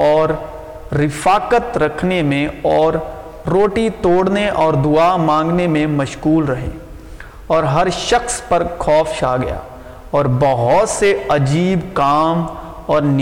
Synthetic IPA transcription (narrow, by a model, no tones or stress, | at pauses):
ɔːɾː | ɪfaːkət̪ɾɐkʰnemẽɔːɾː | oːʈit̪oːɽneʔɔːɾd̪ʊamãːŋ̆ɡnemẽmɐʃkuːlɾɐɦḛː | ɔːɾɦɐɾʃɐxspɐɾkʰɔːfʃaːɡɐ̰ja̰ː | ɔːɾbɐɦʊt̪seɐd͡ʒiːbkaːm | ɔːɾn